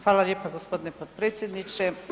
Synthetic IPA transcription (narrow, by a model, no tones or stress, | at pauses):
xʋaːlaljeːpaɡospo̞d̪inepot̪̚pɾeːt̪sjed̪nit͡ʃe